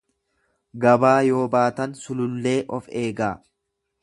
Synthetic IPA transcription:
ɡɐbaːjo̞ːbaːt̪ɐnsʊlʊlːe̞ːʔɔfe̞ːɡaː

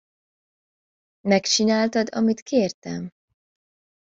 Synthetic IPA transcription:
mɛkt͡ʃinaːlt̪ɒd̪ɒmit̪keːrt̪ɛm

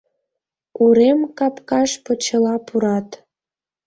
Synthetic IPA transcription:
uɾemkɑpkɑʃpə̆t͡ɕə̆lɑpuɾɑt̪

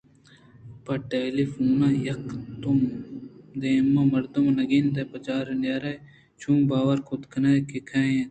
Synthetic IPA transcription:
pɐʈelifuːnɐjɐkt̪um | d̪emːɐmɐɾd̪umnɐɡind̪ɐpɐt͡ʃaːɾɐnjaːɾɐj | t͡ʃʰumbaːwɐɾkʰot̪kʰɐnɐkikʰaːjẽ

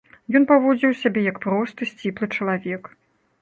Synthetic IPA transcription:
jɔnpavɔd͡zʲiwsʲabʲɛjɐkpɾɔst̪ɨsʲt͡sʲiplˠɨt͡ʂɐlˠavʲɛk

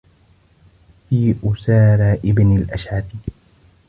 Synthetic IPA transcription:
fiːʔʊsaːɾˤaːʔɪbnalʔaʃʕafi

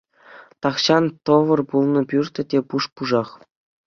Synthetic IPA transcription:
t̪ɑχɕɑnt̪ɤ̆ʋɤ̆rpulˠnɤ̆pʲyrt̪ʲɘ̆tʲepuʂpuʐɑχ

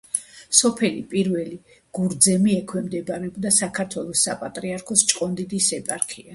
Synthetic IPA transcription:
sɔpʰɛlipʼiɾvɛli | ɡ̥uɾd̪zɛmiɛkʰwɛmd̪ɛbaɾɛɔbd̪asakʰaɾt̪ʰwɛlˠɔsːapʼat̪ʼɾiaɾkʰɔst͡ʃʼqʼɔnd̪id̪isɛpʼaɾkʰia

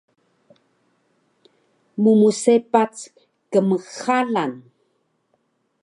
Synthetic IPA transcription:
mumusepat͡s | kəməxalan

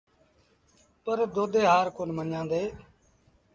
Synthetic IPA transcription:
pəɾd̪oːd̪eːɦaːɾkoːnmənjãːnd̪eː

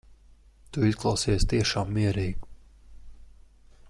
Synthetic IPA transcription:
t̪uisklˠawsiɛst̪iɛʃaːmːiɛɾiːɡu

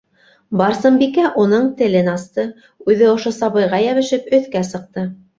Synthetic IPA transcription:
bɑɾsɤmbikæʔunɤɴt̪ɘ̆lɘnɑst̪ɤ | ʉðɘŏʃosɑβɤ̆jʁɑjæβɘ̆ʃɘpɵ̆θkæsɤ̆q̚t̪ɤ

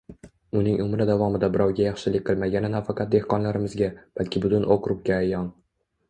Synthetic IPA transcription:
ʊnɪŋʔʊmɾad̪avɒmɪd̪abɪɾɒwɡʲajɑχʃɪlɪkʲqʰɨlˠmaɡʲanɪnafɑqʰɑt̪̚d̪e̞hqɒnlaɾɪmɪzɡʲab̥alkʲʰɪbʊt̪ʊnʔoqɾʊp̚kʲaːjːɒn

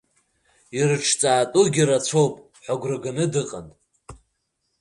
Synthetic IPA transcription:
irɨʈ͡ʂʰt͡sʼaːtʼuɡʲirat͡sʷʰo̞wpʼ | ħʷaɡʷrɨɡanɨdɨqʼa̰ntʼ

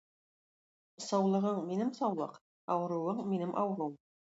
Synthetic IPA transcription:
sɑwlˠɤ̆ʁɤɴminɘmsɑwlˠɤ̰q | ɑwɤ̆ɾŭwɤɴminɘmʔɑwɤ̆ɾuɴ

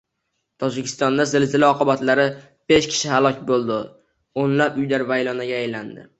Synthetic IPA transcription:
t̪ʰɒd͡ʒɪkʲʰɪ̥st̪ɒnd̪azɪlzɪlɪɒqʰɨbat̪laɾɪ | b̥e̞ʃkʲʰɪ̥ʃɪhalˠɒkʲbolˠd̪ɪ | onlapʊjlaɾvajlɒnaɡʲaːjland̪ɪ̰

